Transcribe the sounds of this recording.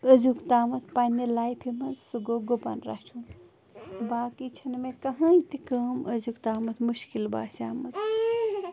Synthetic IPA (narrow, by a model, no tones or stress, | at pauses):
əzukt̪aːmɐt̪panelaːjpʰimɐnsuɡoɡopa̰nɾa̰t͡ʃʰun | baːkit͡ʃʰɐnmẽkɐɦɐ̃it̪ikəːmʔəzukt̪aːmɐt̪muʃkilba̰ːsaːmɐt̪